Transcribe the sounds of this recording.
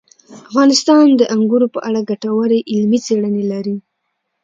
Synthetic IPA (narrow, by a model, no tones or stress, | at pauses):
afɣɑnɪst̪ɑnd̪əʔaŋɡuɾopəʔaɽaɡaʈawaɾeʔɪlmit͡seɽənelaɾi